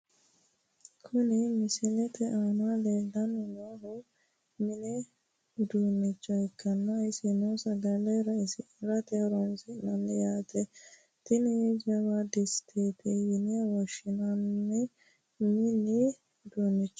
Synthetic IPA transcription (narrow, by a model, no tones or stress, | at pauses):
kʰʊnɪmɪsɪlɛt̪ʰɛʔaːnaleːlːɐnːɛnaɦʊ | mɪnɛ | d̪uːnːɪt͡ʃːɔɪkːɐnːɐɪsɪnɔsɐd̪ɐlɛɾɐsɪ | ɾɐt̪ɛɾɔnsɪnɐnːɛjaːt̪ɛ | t̪ɪnɛd͡ʒɐwad̪ɪst̪ʰeːt̪ɛjɪnɪjɐwɔʃɪnanːɛ | mɪlːɪ | d̪uːnːɪt͡ʃːɔ̥